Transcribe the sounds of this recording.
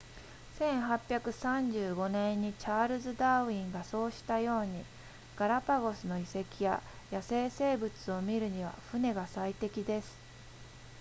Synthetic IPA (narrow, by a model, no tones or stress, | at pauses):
sẽ̞ɰ̃ɦapʲːjakɯ̟sãɲd͡ʑɨːɡo̞nẽ̞ɲ̟ːit͡ɕaːɾɯ̟zɨd̪aːɯĩŋɡaso̞ːɕi̥t̪ajo̞ːɲ̟i | ɡ̥aɾapaɡo̞sɨno̞ise̞kʲija̰ | jase̞ːse̞ːbɯ̟t͡sɨo̞mʲiɾɯ̟ɲ̟iβ̞a̰ɸɯ̟ne̞ɡasait̪e̞kʲid̪e̞sɨ̥